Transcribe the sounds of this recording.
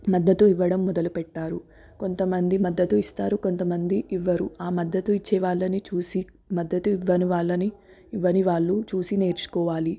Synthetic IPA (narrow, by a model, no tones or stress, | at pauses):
mɐd̪ːɐt̪uiʋːɐɽɐmːɔd̪ɐlupɛʈːaːɾu | ko̞nt̪ɐmɐnd̪imɐd̪ːɐt̪uist̪aːɾuko̞nt̪ɐmɐnd̪iʔiʋːɐɾuaːmɐd̪ːɐt̪uit͡ʃːɛːʋaːɭːɐnit͡ʃuːsi | mɐd̪ːɐt̪uiʋːɐniʋaːɭːɐni | iʋɐniʋaːɭːut͡ʃuːsine̞ːɾt͡ʃu̥kɔːʋaːli